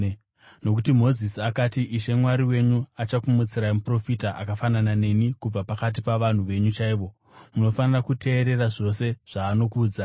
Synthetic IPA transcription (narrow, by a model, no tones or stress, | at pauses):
no̞k̬utimo̞zisiakatiʔiʃe̞mwaɾiwe̞ɲuat͡ʃakumut͡siɾaimupro̞fitaʔakafananane̞nikub͡vapakat̬ipaʋan̤uʋe̞ɲut͡ʃaiʋo̞ | muno̞fanirakutʰe̞ːɾe̞raʐo̞se̞ʐ̥aːno̞kuːd͡za